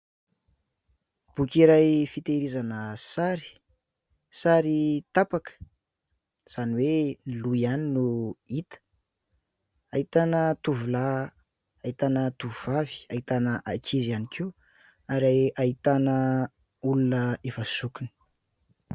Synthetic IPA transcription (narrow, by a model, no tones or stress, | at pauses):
b̥ukʲiɾajfit̪eɾizanəsaɾi̥ | saɾit̪apakə̥ | z̥aniweniluianinuit̪ə̥ | ait̪anət̪uvulaː | it̪anət̪uvuvavi̥ait̪anəʔakʰizianikʰe | aɾaait̪anə | ulunəefəsukuni̥